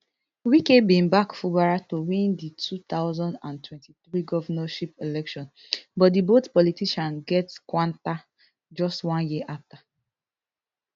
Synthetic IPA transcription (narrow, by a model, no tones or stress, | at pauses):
wikebĩnbakfubaɹatowĩnditʰut̪aʊzɔ̃ndãntwɛ̃ntiθɹiɡɔvanaʃipelɛkʃɔ̃n | bɔt̚dibotpɔlitiʃãnɡɛtkwãnta | d͡ʒɔstwãnjiʔafta